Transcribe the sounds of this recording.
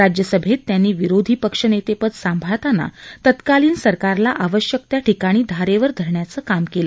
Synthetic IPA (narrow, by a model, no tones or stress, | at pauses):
ɾad͡ʑjəsəbʱet̪ːjanːiːʋiɾod̪ʱiːpəkʂənet̪epət̪sambʱaɭt̪ana̰t̪ət̪kaliːnsəɾkaɾlaʔaʋəɕjək̚t̪jaʈʰikaɽ̃iːd̪ʱaɾeʋəɾd̪ʱəɾɳjat͡səːkamkelə